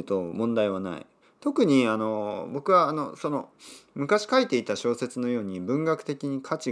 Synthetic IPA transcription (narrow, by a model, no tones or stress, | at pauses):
t̪o̞mõ̞nd̪aiβana̰ḭ | t̪o̞kɯ̟ɲ̟iano̞bo̞kɯ̟βaːno̞so̞no̞̰mɯ̟kaɕi̥kait̪e̞it̪aɕo̞ːse̞t͡sɨno̞jo̞ːɲ̟ibɯ̟̃ŋɡakɯ̟t̪e̞kʲiɲ̟ikʰat͡ɕi